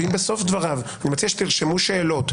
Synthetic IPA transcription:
imbeso̞fd̪vaʁavanimat͡siaʃet̪iʁʃemuʃe̞ːlo̞t̪

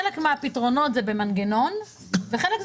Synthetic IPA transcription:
elekmeapitʁo̞no̞tzebemanɡeno̞n | veχelekz

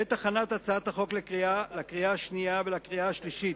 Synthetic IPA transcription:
et̪aχanat̪at͡saat̪aχo̞klekʁialakʁiaaʃniavelakʁiaaʃliʃit̪̚

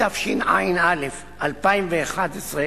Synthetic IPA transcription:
afʃina̰inalef | ʔalpaimveːχad̪esʁe

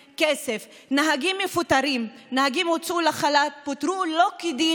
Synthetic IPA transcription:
kesef | naɦaɡimːefut̪aɾimnahaɡimot͡sʔulaχalat̪̚pot̪ɾulo̞kid̪i

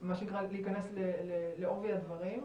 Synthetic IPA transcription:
maʃenikʁaliikanesleleleo̞viad̪vaʁim

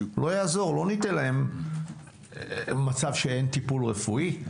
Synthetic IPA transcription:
lo̞jaːzo̞ʁlo̞nitelae̞m | mat͡savʃee̞nt̪ipulʁefui

